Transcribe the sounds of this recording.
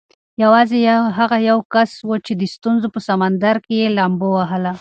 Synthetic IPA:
jawɑzeɦaɣajawkaswət͡ʃed̪əst̪unzopəsamand̪aɾkejelambowaɦəla

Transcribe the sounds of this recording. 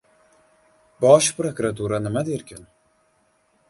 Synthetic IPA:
bɒʃpɾokɾat̪uɾanɪmad̪eɾkʲʰɪn

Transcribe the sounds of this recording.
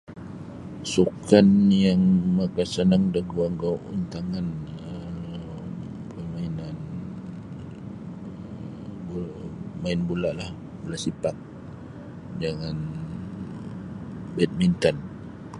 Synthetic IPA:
sukanjaŋmakasənaŋdaɡuaŋɡaʔṵnt̪aŋanə | pəmainan | bumaɪnbulaʔlah | bulaʔsipak̚ | d͡ʒaŋan | bɛt̪̚mint̪an

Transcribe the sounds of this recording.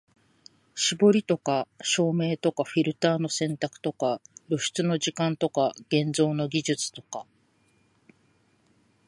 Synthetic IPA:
ɕibo̞ɾʲit̪o̞kaɕo̞ːme̞ːt̪o̞kaɸʲiɾɯ̟t̪aːno̞sẽ̞nt̪akɯ̟̥t̪o̞kaɾo̞ɕi̥t͡sɨno̞ʑikãnt̪o̞kaɡ̥ẽ̞nd͡zo̞ːno̞ɡʲiʑɨt͡sɨ̥t̪o̞ka

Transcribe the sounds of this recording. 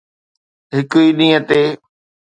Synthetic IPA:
ɦɪkʊiːɗĩːət̪eː

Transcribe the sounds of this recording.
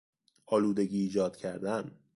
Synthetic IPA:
ɒːluːd̪eɡiːd͡ʒɒːd̪̥̚cʰæɾd̪æn

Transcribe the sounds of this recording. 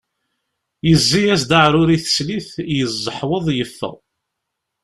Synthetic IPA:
jəzːijæs̬d̪aʕɾʊɾiθə̥sliθjəzˤːəħwəðˤjəfːə̰ʁ

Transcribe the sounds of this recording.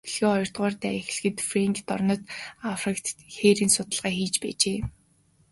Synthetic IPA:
iɮɣeːɔjɞ̆r̥t̪ɢɔːrt̪æ̰ːex̆ɮxɘ̆t̪freŋkt̪ɔrnɞ̆t̪afrɪ̆kt̪ʰxeːɾiːnsʊt̪ə̆ɮʁaːxiːt͡ɕpæ̰ːt͡ɕeː

